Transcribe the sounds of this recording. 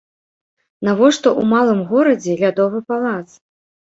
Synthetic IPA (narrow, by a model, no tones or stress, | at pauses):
navɔʂt̪ɔʔumalˠɨmɣɔɾɐd͡zʲɛlʲad̪ɔvɨpalˠat̪s